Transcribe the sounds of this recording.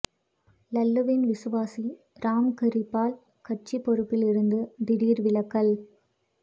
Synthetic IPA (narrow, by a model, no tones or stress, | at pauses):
lɐlːɯʋɪnʋɪsɯʋaːsi | ɾaːmkɪɾɪpːaːl | kɐʈ̚t͡ʃipːɔɾɯpːɪlɪɾɯnd̪ɯd̪ɪɽiːɾʋɪlɐkːɐl